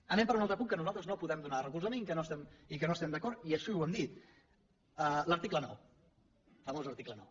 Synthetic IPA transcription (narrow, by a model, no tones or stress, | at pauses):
ənɛ̃mpəɾunalˠt̪ɾəpuŋkənuzalˠt̪ɾəznopuðɛmd̪unarəkulzəmenikənoəst̪ɛmikənoəst̪ɛmd̪əkɔɾt̪iəʃiuwɛmd̪it̪ | ələɾt̪iklənɔ̰w | fəmozəɾt̪iklənɔ̰w